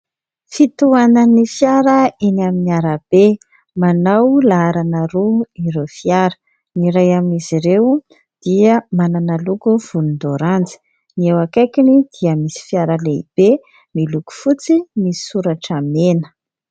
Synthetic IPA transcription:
fit̪uanənifjaɾəinaminiaɾəb̥e | manawlaaɾanəɾuiɾewfiaɾə̥ | niɾajamiziɾew | d̪̥iəmananalukuv̥ulund̪oɾand͡zi̥ | niewakajkinid̪̥iəmisi̥fjaɾəleḭb̥e | miluku̥fut͡simisi̥suɾaʈ͡ʂamenə̥

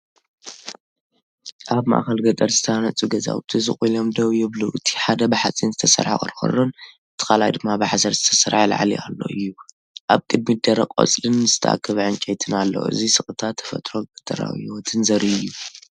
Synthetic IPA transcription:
ʔaβma̰ʔxɐlɡɐt̪ʼɐɾzɨt̪ʰɐanɐt͡sʼuɡɐza̰wt̪ʰizɨχʼilo̞md̪ɐβjɪβluʔɨt̪ʰi̥ħad̪ɐbɨħat͡sʼinzɨt̪ʰɐsɐ̰ɾħa̰kʼɨ̰ɾxɐ̰ronʔɨt̪ʰːɨ̥kalajd̪ɨmːabɨħsɐɾzɨt̪ʰɐsɐɾħala̰ʕalḭʔa̰lːo̞̰ʔɨjːu | ʔaβkʼɨd̪̚mid̪ɐɾɐkʼo̰t͡sʼlɨnzɨt̪ʰɐʔa̰kʰːɨβʕɨnt͡ʃʼɛjt̪ʰɨnalːo̰ʔɨ̰zisɨxʼɨt̪ʰat̪ʰːɐ̥fɐ̰t̪ʼɾoɡɐt̪ʼɐɾa̰wiot̪ʰɨnzɐɾɨjːu

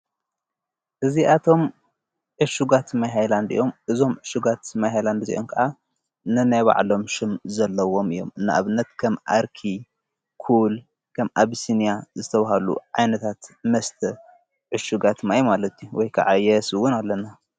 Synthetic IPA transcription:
ʔɨziʔat̪ʰo̞m | ʕɨʃuɡat̪majɦajland̪ɨ̰jːo̞mʔɨzo̞mʕɨʃuɡat̪majɦajland̪zḭʔonkʰɐʔa | nɨnajβa̰ʕlo̞mʃɪmzɐlːɐwo̞mɨjːomɨnːa̰ʔaβɨnːɐt̪kʰɐmʔaɾkʰi | kʰul | kʰɐmʔaβsinijazɨt̪ʰɐβaɦalṵʕajnɐt̪ʰat̪mɐst̪ʰɐ | ʕɨʃuɡat̪majumalɐt̪ʰjuwɔjkʰa̰ʕajɛsɨwʊnalːɐna

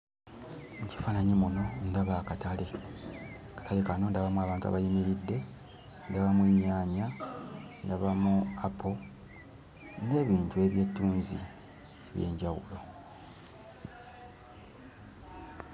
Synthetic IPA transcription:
muci̥faːnaɲemuno̞ndaβakatale | kḁtalekano̞ndaβamuaːβaːntua̰βajimiɾidːe̞ | ndaβamweːɲaːɲa | ndaβamuapʰo | ne̞ːβiːntue̞βje̞tːuːnzḭ | eβje̞̰ːɲɟawulo̞

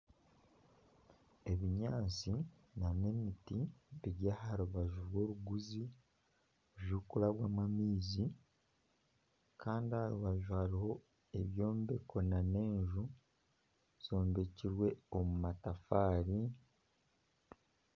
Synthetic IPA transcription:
e̞βiɲaːt͡si | nane̞mitiβiɾjahaɾuβaʒuɾwo̞ːɾuɡuzi | ʒukulaβwaːmamiːzi | kʰaːndihaɾuβaʒuhaɾiho̞ | e̞βjo̞ːmbe̞kʰo̞nane̞ːɲʒu | z̥o̞ːmbe̞ciɾwe̞omumatafaːɾi

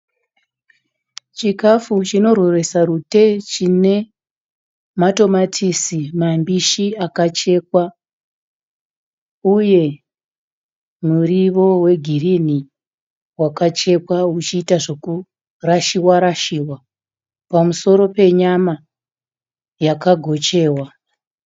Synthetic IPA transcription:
t͡ʃikafut͡ʃino̞rwore̞sarute̞t͡ʃine̞ | mato̞matʰisimambiʃiakat͡ʃe̞ːk̚wa | uje̞ | muriʋo̞we̞ɡʱirini | wakat͡ʃe̞pwaut͡ʃiːtaʐoku | raʃiwaɾaʃiːwa | pamuso̞ɾo̞pe̞ɲama | jakaɡʱo̞t͡ʃe̞ːwa

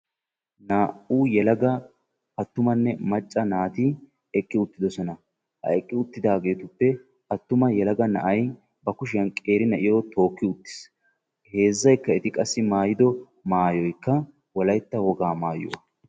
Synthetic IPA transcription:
naːʔuːjɛlɐɡɐ | ɐt̪ːʊmɐnːɛmɐt͡ʃʼːɐnaːt̪ɪ | ɛkʼːɪʊt̪ːɪd̪ɔsɔnɐ | hɐ̰ɛkʼːɪʊt̪ːɪd̪aːɡe̞ːt̪ʊpːɛ | ɐt̪ːʊmɐjɛlɐɡɐnɐ̰ʔɐj | bɐkʊʃɪjɐnkʼe̞ːɾɪnɐʔɪjoːt̪o̞ːkːɪʊt̪ːɪ̥s | he̞ːzːɐjkːɐɛt̪ɪkʼɐsːɪmaːjɪd̪ɔ | maːjɔjkːɐ | wɔlɐjt̪ːɐwɔɡaːmaːjʊ̰wɐ

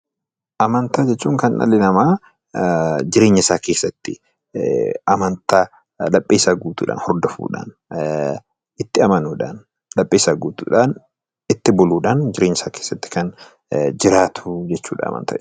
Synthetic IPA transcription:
ʔɐmɐnt̪aːd͡ʒɛt͡ʃːuːŋkɐnnɐ̰lɪnɐmaː | d͡ʒɪɾe̞ːɲːɪsaːke̞ːsːɐt̪ːɪ | ʔɐmɐnt̪aː | lɐpʼːeːsaɡuːt̪ṵːᶑa̰ːnhɔɾd̪ɔfṵːᶑa̰ːn | ʔɪt̪ːɪɐmɐnuːᶑa̰ːn | lɐpʼːeːsaɡuːt̪ṵːᶑaːn | ɪt̪ːɪbɔluːᶑaːnd͡ʒɪɾeːɲːɪsaːkeːsːɐt̪ːɪ̥kɐn | d͡ʒɪɾaːt̪ʰʊd͡ʒɛt͡ʃːṵːᶑa̰ɐ̰mɐ̰nt̪a̰ː

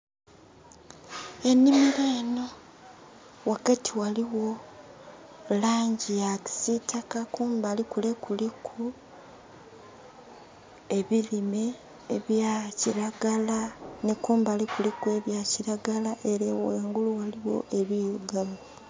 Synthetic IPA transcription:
e̞nːimileːno̞ | wakatʰiwaliwo̞ | laːɲɟijaki̥sitʰakakuːmbalikulekulikʰu | e̞βilime̞ː | βjaciɾaɡalanekuːmbalikulikue̞βjaciɾaɡalaʔeɾeweːŋɡuluwaliwo̞̰e̞βijuɡala

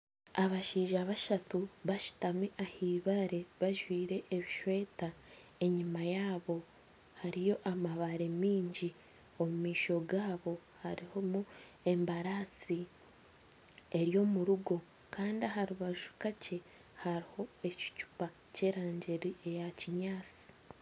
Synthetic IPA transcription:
aβaʃiːʒaβaʃatuβaʃi̥tamiʔahiːβaɾe̞βaʒwiːɾe̞ʔːβiʃwe̞ːta | e̞ɲimajaːβo̞ | haɾijo̞ʔamaβaɾemiːɲɟi | o̞mumiːʃo̞ɡaːβo̞ | haɾiho̞mu | e̞mbaɾasi | e̞ɾjo̞muɾuɡo̞ | kaːndiaɦaɾiβaʒu̥kace | haɾiho̞e̞ci̥cu̥pa | ce̞ːɾaːɲɟe̞ɾie̞jaciɲaːt͡si̥

